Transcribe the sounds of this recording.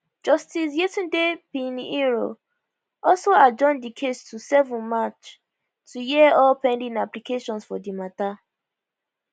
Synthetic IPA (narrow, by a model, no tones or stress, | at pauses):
d͡ʒɔstis̬jetĩndepĩniɹo̰ | ɔlsoad͡ʒɔ̃ndikʰestusɛvɔ̃nmat͡ʃ | tʰujiɔlpɛ̃ndĩnaplikeʃɔ̃nsfɔdimata